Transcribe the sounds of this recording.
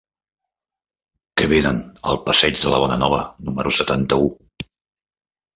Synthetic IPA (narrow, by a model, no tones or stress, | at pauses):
kɛβ̞enənə̰lˠpəsɛd͡ʒðələβ̞ɔnənɔβ̞ənuməɾʔusət̪ant̪əu